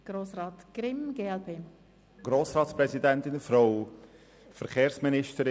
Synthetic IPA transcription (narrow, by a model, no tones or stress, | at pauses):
ɡ̥ɾoːsɾɑːt̪ɡ̥ɾɪmɡeːɛlpʰeː | ɡ̥ɾoːsɾɑːtspɾɛzidɛnt̪ɪnfɾoʊ | fəɾχeːɾsminɪʃtəɾɪ